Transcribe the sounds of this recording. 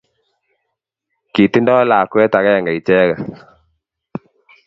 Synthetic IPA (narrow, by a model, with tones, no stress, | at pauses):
ki˨ti˦ndɔ˦laː˨kwɛ˦ta˨ɣa˦ja˨ŋɡa˨i˨t͡ʃɛ˦ɣa˨